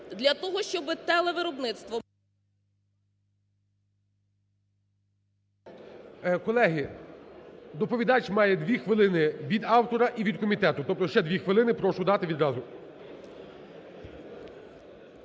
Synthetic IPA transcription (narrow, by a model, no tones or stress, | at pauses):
d̪lʲɐt̪ɔɦɔʃt͡ʃɔbɪt̪ɛlˠɛʋɪɾɔbnɪt̪st̪ʋɔ | kɔlˠɛɦi | d̪ɔpɔʋʲid̪ɑt͡ʃʲmɑjɛd̪ʋʲixʋɪlˠɪnɪʋʲid̪ɑwt̪ɔɾɐʔiʋʲid̪̚kɔmʲit̪ɛt̪ʊt̪ɔp̚t̪ɔʃt͡ʃɛd̪ʲʋʲixʋɪlˠɪnɪpɾɔʃʊd̪ɑt̪ɪʋʲid̪ɾɑzʊ